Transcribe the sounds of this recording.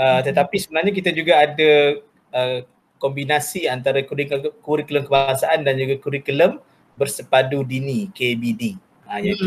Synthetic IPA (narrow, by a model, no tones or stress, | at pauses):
ət̪ət̪apisəbənarɲakit̪ad͡ʒuɡaːda | ə | kɔmbinasiant̪aɾakikuɾikələmkəbasaʔandand͡ʒuɡakuɾikuləm | bərsəpadudinikebidi | aja